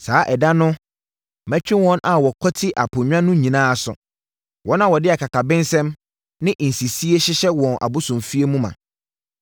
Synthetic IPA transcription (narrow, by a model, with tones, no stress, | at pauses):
saː˨˦ʔɛ˨da˦nʊ̃˦ | mɛ̃˦t͡ɕᶣɪ̃˦wɔ̃˦na˨wɔ˨kʰɔ˦tʰɪ˦ʔa˨pʰʊ̃˨ɲᶣã˦nʊ̃˦ɲĩ˨nãː˦a˨sʊ̰˨ | wɔ̃˨˦nã˦wɔ˨dɪ˦a˨kʰa˨ka˨bɪ̃˦nsɛ̃˦m | nɪ̃˦ʔn̩˨si˨si˦e˦ɕɪ˦ɕɛ˦wɔ̃˨nʔa̰˨bʊ˦sʊ̃˨mfi˦e˦mũ˦mã̰˨